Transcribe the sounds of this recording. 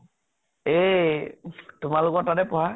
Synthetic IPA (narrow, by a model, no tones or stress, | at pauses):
e | tʊmalʊkɔtadɛpɔɦa